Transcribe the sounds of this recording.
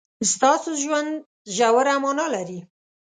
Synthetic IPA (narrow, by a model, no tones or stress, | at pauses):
st̪ɑsoʒwand̪ | ʒawaɾamɑnɑlaɾi